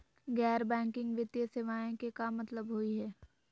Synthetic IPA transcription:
ɡɛːɾbɛ̃ːŋkɪ̃ŋɡʋɪt̪jəseʋaːjẽkekamɐt̪ləbɦoiɦɛː

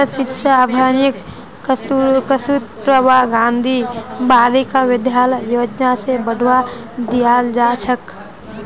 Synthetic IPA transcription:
əʃɪtːʃaəbʱaːnjək | kəsut̪̚pɾəʋaɡãːnd̪ʱibaːɾikaʋɪd̪ʱjaːləjjoːd͡ʒnasebəɽ̤ʱwa | d̪ijad͡ʒaːt͡ʃʰək

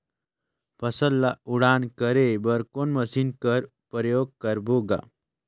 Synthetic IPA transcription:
pʰəsəlːauɽankəɾebəɾkonməsiːnkəɾ | pɾəjoɡ̚kəɾboɡa̰

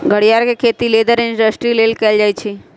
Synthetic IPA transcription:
ɡʱəɽijaɾkekʰeːt̪ileːd̪əɾɪ̃nɖəsʈɾileːlkɛːld͡ʒaːjt͡ʃʰi

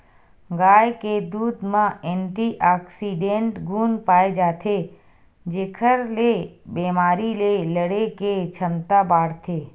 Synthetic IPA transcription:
ɡaːjked̪uːd̪mãeɳʈiʔaːksiɖẽɳʈɡuːnpaːed͡ʒaːt̪ʰe | d͡ʒeːkʰəɾlebeːmaːɾileləɽeket͡ʃʰəmt̪abaːɽt̪ʰeː

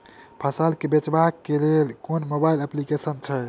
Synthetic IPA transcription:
pʰəsəlkebet͡ʃbakːelelkonmobailəplikesənt͡ʃʰə

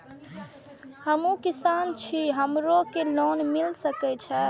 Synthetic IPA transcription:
həmũkisaːnt͡ʃʰiɦəmɾokeloːnmilsəkɛt͡ʃʰə

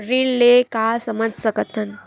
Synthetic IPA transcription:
ɾiːlːekasəməd͡zʱsəkət̪ʰən

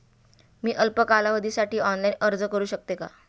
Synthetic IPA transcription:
miːʔəlpəkalaʋəd̪ʱiːsaʈiːɔnlainəɾd͡zəkəɾuːɕək̚t̪eka̰

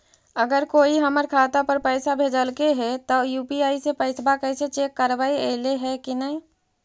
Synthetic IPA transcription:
əɡəɾkoiɦəməɾkʰat̪apəɾpəɪsabʱed͡ʒəlkeɦɛt̪ɔjupiaisepəɪsbʱakəɪset͡ʃekːəɾbaiḛleɦɛkinəi

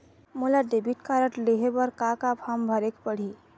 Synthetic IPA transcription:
mulad̪ebʱiʈ̚kaɾəʈleɦebəɾkakapʰambʱəɾekpəɽ̤i

